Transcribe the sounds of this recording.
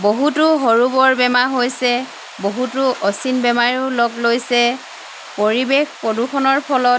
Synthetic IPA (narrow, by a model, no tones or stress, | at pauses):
boɦutʊɦoɹubɔɹbɛmaɦojsɛ | boɦutʊʔɔsinbɛmaɹiʊlɔklojsɛ | poɹibexpɔdukʰɔnɔɹpʰɔlɔt̚